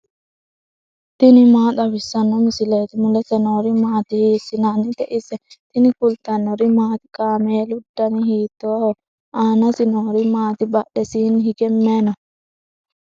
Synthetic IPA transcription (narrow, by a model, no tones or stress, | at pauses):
t̪ɪnɪmaːt̪ɐbɪsːɐnːɔmɪsɪleːt̪ɪmʊlɛsɛnoːɾimaːt̪ɪhiːsɪnanɪt̪ɛʔɪsɛt̪ɪnɪkʊlt̪ɐnːɔɾimaːt̪ɪ̥kʼaːmeːlʊd̪ːɐnihiːt̪oːhɔ | ʔaːnɐsɪnoːɾimaːt̪ɪbɐɗɛsiːnhiɡɛmːeːnɔ